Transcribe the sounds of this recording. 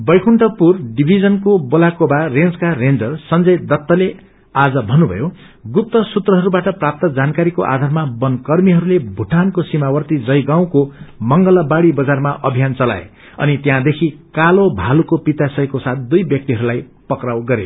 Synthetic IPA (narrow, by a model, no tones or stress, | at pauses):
bʌjkʰuɳʈʌpurɖibʱid͡zʌnkobolakobarend͡zkarend͡zʌrsʌnd͡zʌjd̪ʌt̪ːʌle | ad͡zʌbʱʌnːubʱʌ̰jo | ɡup̚t̪ːʌsut̪rʌɦʌɾubaʈʌprap̚t̪ʌd͡zankaɾikoʔa̰d̪ʱarmabʌnkʌrmiɦʌɾulebʱuʈʰankosimawʌrt̪id͡zʌjɡaw̃komʌŋɡʌlʌbaɽibʌd͡zarmaʔʌbʱijant͡sʌla̰ḛ | ʌ̰nit̪jãd̪ekʰikalobʱalukopit̪asʌjkosat̪̚ʰd̪ujbjʌk̚t̪iɦʌɾulajpʌkrawɡʌɾḛ